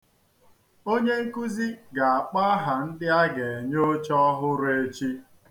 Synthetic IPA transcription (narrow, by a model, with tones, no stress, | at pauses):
o˦ɲe˦ŋ̩˦ku˦zi˦ɡa˨a˨k͡pa˦a˦ɦa˨n̩˦dɪ˦a˦ɡe˨e˨ɲo˦t͡ʃɔ˦ɔ˦ɦʊ˦ɾe˦t͡ʃi˦